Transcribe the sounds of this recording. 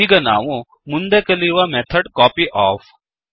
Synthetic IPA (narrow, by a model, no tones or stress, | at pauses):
iɡɐna̰ːʋõ | mʊnd̪ekɐliʋameːt̪ʰəɖkɔːpiʔɔːf